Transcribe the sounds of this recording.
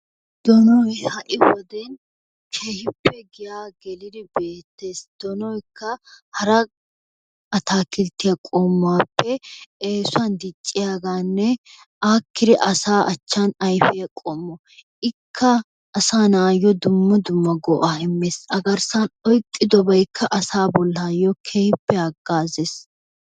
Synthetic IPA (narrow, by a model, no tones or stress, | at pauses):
d̪̥ɔnɔjhɐʔɪwɔd̪ɛn | kʰeːhɪpːɛɡɪjaːɡɛlɪd̪ɪbe̞ːt̪ːe̞ːsd̪̥ɔnɔjkʰːɐhɐɾɐ | ɐt̪aːkɪlt̪ːɪjɐkʼoːmːaːpːɛeːsʊɐnd̪ɪt͡ʃʼːɪjaːɡaːnːɛ | aːkːɪd̪ɛʔɐsaːʔɐt͡ʃːanɐjfɛjɐkʼɔːmːɔ | ʔɪkʰːɐː | saːnaːjːɔd̪ʊmːɐd̪ʊmːɐɡɔʔaːɪmːeːsɐɡɐɾsɐnɔjtʼːɪd̪ɔbɐjkʰːɐʔɐsaːbɔlːaːjɔkʰɛhɪpːɛɐɡːaːzeːs